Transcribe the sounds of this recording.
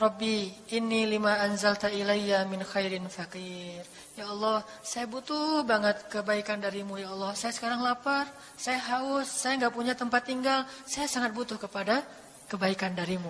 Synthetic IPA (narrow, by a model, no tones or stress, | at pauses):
rɑbːiʔɪnːilimaʔanzalt̪ailajːamɪnxajɾɪnfakir | jaɑlˠːɑh | sajabut̪ʊhbaŋət̪̚kəbaikandaɾimujaɑlːɔhsajasə̥kaɾaŋlapar | sajaɦaʊsːajaŋɡaʔpuɲat̪əmpat̪ːiŋɡalsajasaŋat̪̚but̪ʊhkəpada | kəbaikandaɾimu